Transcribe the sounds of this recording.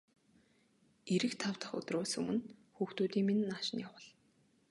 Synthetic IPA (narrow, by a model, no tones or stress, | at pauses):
eɾɘ̆kt̪ʰawt̪ə̆χʊ̰t̪rʊːsɵmɘ̆nxuːxt̪uːt̪iːŋmenːaːʃɪ̆njawə̆ɮ